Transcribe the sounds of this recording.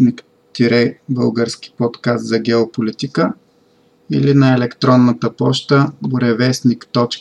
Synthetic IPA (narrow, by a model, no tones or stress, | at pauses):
nik | t̪iɾɛbəlˠɡəɾski̥pɔt̪kast̪zɐɡʲɛopolit̪ikə | ḭlinɐɛlɛkt̪ɾɔnːət̪əpɔʃt̪əbʊɾɛvɛsnikt̪ɔt͡ʃ